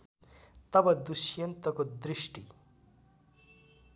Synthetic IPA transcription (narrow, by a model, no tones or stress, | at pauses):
t̪ʌbʌd̪usjʌnt̪ʌkod̪risʈi